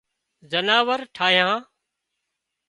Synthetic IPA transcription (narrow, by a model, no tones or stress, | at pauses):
zənaːʋəɾʈʰaːɦjãː